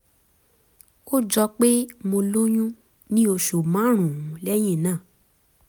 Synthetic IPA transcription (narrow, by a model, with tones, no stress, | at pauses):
ko˦d͡ʒɔ˧k͡pe˦mo˧lo˦j̃ũ˦ | nĩ˦o˧ʃu˨mã˨˦ɾ̃ũ˨ũ˨˦lɛ˦j̃ĩ˦˨nãː˦˨